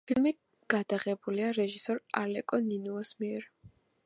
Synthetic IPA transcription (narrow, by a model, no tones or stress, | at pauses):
pʰilmi | ɡ̥ad̪aʁɛbuliaɾɛʒisɔɾalɛkʼɔninuasmiɛɾ